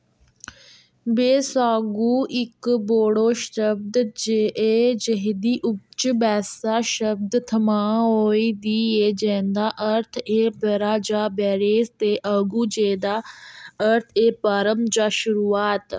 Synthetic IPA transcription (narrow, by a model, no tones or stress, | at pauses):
beːsaːɡuːɪkboːɽoːʃəb̚d̪d͡ʒeʔeːd͡ʒəɦd̪iːʔʊt͡ʃbɛːsaʃəb̚d̪t̪ʰəmãːɦoːid̪iːeːd͡ʒẽːnd̪aːʔəɾt̪ʰeːbəɾaːd͡ʒaːbɛːɾeːst̪eːʔəːɡuːd͡ʒeːd̪aːəɾt̪ʰeːpaːɾəmd͡ʒaːʃʊɾuːaːt̪